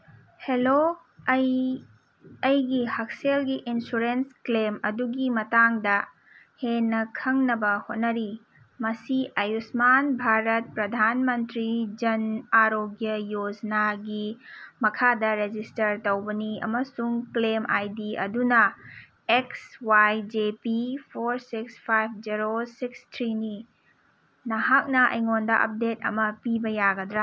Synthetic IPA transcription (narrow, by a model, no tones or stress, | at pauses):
helo | j | ɐjɡihɐk̚selɡiʔinsuɾensklemɐduɡimɐtaŋdɐ | henːɐkʰɐŋnɐbɐhot̚nɐɾi | mɐsiʔɐjusmanbʱaɾɐt̚pɾɐd̪ʱanmɐntɾid͡ʒɐnaɾoɡjɐjod͡ʒɐnaɡimɐkʰadɐɾed͡ʒistɐɾtɐwbɐniɐ̰mɐsuŋklemʔajdiɐ̰dunɐ | ekswajd͡ʒepipʰoɾsikspʰajb̚ʰd͡ʒiɾosikstʰɾini | nɐɦak̚nɐʔɐ̰jŋondɐʔɐ̰p̚det̚ɐ̰mɐpibɐjaɡɐdɾa